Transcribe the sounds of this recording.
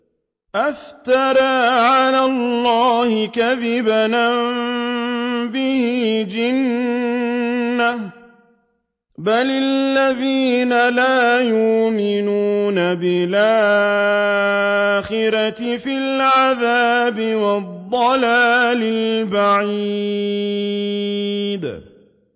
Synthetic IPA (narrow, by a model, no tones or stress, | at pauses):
ʔaft̪ɑɾˤaːʕalaːlˤːɑːhɪkaðɪbanm | bɪhɪd͡ʒɪn | a | balaalːaðiːnalaːjʊʔmɪnuːnabɪlʔa | xɪɾat̪ɪfɪlʕaðaːbɪwɑd̪ˤːɑlaːlɪllbaʕiː | d̪